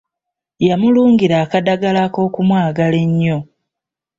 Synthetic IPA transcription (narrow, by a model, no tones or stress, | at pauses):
jamuluːŋɡiɾaːkadaɡalako̞ːkumwaːɡale̞ɲːo̞